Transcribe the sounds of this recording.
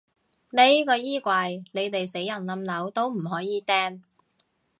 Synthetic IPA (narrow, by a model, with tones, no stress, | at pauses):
ne˨˧˦jkɔː˧jiː˥kʷaː˧jne˨˧jt̪e˨jse˨˥jːɐ˨˩nlɐ˨˧mlɐ˨˥wt̪o˥wm̩˨˩ɦɔː˨˥jiː˨˧t̪ɛː˥n